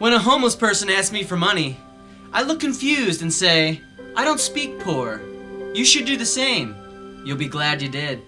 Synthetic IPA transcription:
wə̃ñəɦõʊ̃mlospʰɜ˞sɨ̃næskmifə˞mʌni | ʔaɪlʊkʰːɨ̃ɱfjʉzdɨ̃n̩seɪ | ʔaɪɾõʊ̃ntspik̚pʰuɹjɨʃɨdɨðɨsẽɪ̃m | jɨlˠbiɡlædɨdɪd̥̚

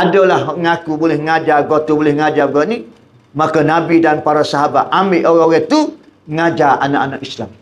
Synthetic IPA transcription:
adəlahŋakubolɛhŋad͡ʒarɡot̪ubolɛhŋad͡ʒaɡɔt̪ni | makanabidanpaɾasaɦabat̪̚ambeʔoɣaoɣɛt̪u | ŋad͡ʒaa̰naʔanakislam

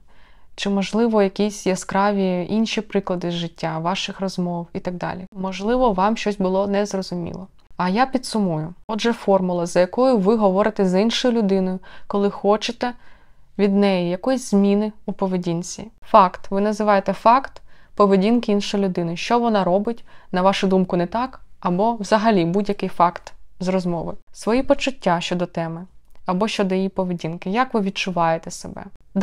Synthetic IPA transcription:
t͡ʃɪmɔʒlˠɪʋɔjɐkʲisʲjɛskɾɑʋʲiinʃipɾɪklˠɐd̪ɪzʒɪtʲːaʋɑʃɪxrɔzmɔwit̪ɐɡ̚d̪ɑ̰lʲimɔʒlˠɪʋɔʋɑmʃt͡ʃɔsʲbʊlˠɔnɛzrɔzʊmʲḭlˠɔ | ɐjapʲid̪sʊmujʊɔdʒɛfɔrmʊlˠɐzɐjɐkɔjʊʋɪɦɔʋɔɾɪt̪ɛzɐinʃɔjʊlʲʊd̪ɪnɔjʊkɔlˠɪxɔt͡ʃɪt̪ɛʋʲid̪nɛjijɐkɔjizʲzʲmʲinɪupɔʋedʲinʲt͡sʲḭfɑkt̪ʋɪnɐzɪʋɑjet̪ɛfɑkt̪pɔʋedʲinkɪinʃɔjlʲʊd̪ɪnɔjʊʃt͡ʃɔʋɔnɑɾɔbɪtʲnɐʋɑʃʊd̪umkʊnɛt̪ɑkɐbɔwzɐɦɐlʲibudʲjɐkɪjfɑkt̪zrɔzmɔʋɪsʋɔjipɔt͡ʃʊtʲːaʃt͡ʃɔd̪ɔt̪ɛmɪɐbɔʃt͡ʃɔd̪ɔjijipɔʋedʲinkɪjakʋɪʋʲid̚t͡ʃʊʋɑjet̪ɛsḛbɛ̰

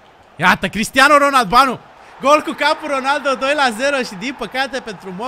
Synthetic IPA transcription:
jat̪əkɾist̪ianoɾonald̪banu | ɡolkukampuɾonald̪od̪o̞jlazeɾoʃid̪inpəkat̪epent̪ɾumo

